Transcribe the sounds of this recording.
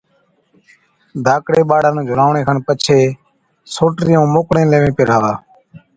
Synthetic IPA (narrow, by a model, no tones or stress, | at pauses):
d̪ʱaːkɽeːɓaːɽaːñːd͡ʒʱʊɾaːʋɳeːkʰaːnpət͡ʃʰeː | soːʈɾɪjõːmoːkɽẽːlẽːʋẽːpeːɾaːʋaː